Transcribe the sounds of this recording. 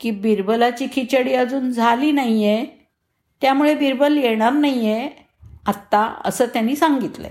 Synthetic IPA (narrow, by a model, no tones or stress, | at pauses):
kiːbiɾbəlat͡ɕiːkʰit͡ɕəɽiːəd͡zuːnd͡zʱaliːnajje | t̪jamuɭebiɾbəljeɽ̃aɾnaije | at̪ːaə̰səːt̪janːiːsaŋɡit̪lə̰